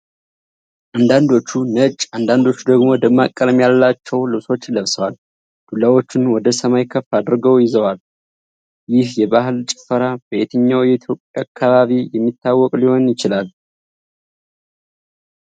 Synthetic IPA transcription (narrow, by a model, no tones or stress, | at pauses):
ʔand̪and̪o̞t͡ʃːunət͡ʃʼːand̪and̪o̞t͡ʃːud̪əɡmo̞d̪əmːakʼːəɾmjaləlat͡ʃːɛwlɨβso̞t͡ʃːləβsəwal | d̪̥ulawo̞t͡ʃːɪnwɔd̪əsəmajkʰəfad̪ɾɨɡəwjɪzəwal | jɪhjɛbahɨlt͡ʃʼɪ̥fəɾab̥əet̪ʰəɲːawjɛit̪ʰjo̞pʼːjaakʰːaβaβijɛmːit̪ʰːawːɔkʼliho̞njɪt͡ʃɪlal